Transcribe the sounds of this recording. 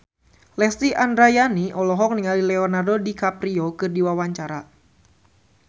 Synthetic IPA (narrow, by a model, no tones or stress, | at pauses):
lɛst̪iʔandɾajaniʔɔlɔɦɔk̚niŋalilɛɔnardodikapɾiɔkɨrdiwawaɲt͡ʃaɾa